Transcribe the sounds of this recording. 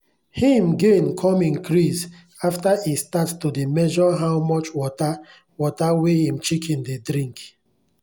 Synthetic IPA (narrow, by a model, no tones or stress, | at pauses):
hĩmɡenkʰɔ̃mĩnkʰɹis | aftaistattudemɛʒɔɦawmɔt͡ʃwɔta | wɔtawehĩmt͡ʃikʰĩndedɾĩŋk